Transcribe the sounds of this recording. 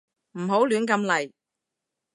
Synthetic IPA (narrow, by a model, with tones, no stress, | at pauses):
m̩˨˩ɦo˨˥wlyː˨˥nkɐ˧mlɐ˨˩j